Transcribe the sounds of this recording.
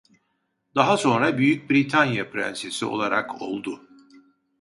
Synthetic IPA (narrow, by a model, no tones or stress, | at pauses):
d̪aɦaso̞nɾabyjyc̚bɾit̪ʰanjapʰɾæ̰nsesio̞̰lˠaɾʔa̰kʰo̞̰lˠd̪ʊ